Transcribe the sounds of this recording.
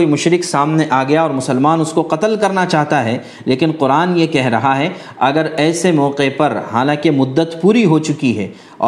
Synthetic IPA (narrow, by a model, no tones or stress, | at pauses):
oːimʊʃɾɪksaːmneʔaːɡɐjaɔːɾmʊsəlmaːnʊskoqɐt̪əlkɐɾnat͡ʃaːɦt̪aɦɛ | leːkɪnqʊɾaːnjekɛɦɾɐɦaɦɛ | ɐɡəɾɛːsemɔːqepɐɾɦa̰ːlãːkemʊd̪ːət̪puːɾiɦot͡ʃʊkiɦɛ̰ː | ɔ̰ː